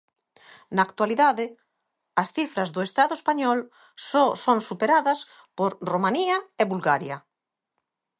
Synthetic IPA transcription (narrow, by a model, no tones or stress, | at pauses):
naːk̚t̪waliðaðɪ | ɐsθifɾɐzðʊest̪aðʊespaɲɔl | sɔsoŋsupeɾaðɐs | poɾromaniɐeβulɣaɾjɐ